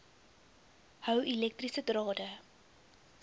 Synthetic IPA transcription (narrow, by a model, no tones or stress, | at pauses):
hœwilɛk̚trisədrɑːdə